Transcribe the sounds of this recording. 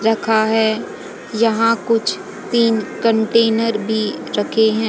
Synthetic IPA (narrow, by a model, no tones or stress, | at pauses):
ɾɐkʰaɦɛː | jɐɦãkʊt͡ʃʰ | t̪iːnkə̃ɳʈeːnəɾbʱiɾɐkʰeɦɛ̃ː